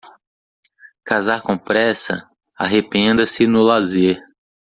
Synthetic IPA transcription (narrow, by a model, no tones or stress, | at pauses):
kazaɾkõpɾɛsɐ̰ | a̰ɦepẽnd̪ɐsɪnʊlazeɾ